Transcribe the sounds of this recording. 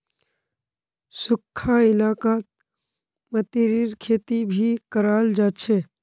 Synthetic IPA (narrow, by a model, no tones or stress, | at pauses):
sʊkʰːaɪlaːkaːt̪̚ | mət̪iɾiɾkʰeːt̪ibʱikəɾaːld͡ʒaːt͡ʃʰe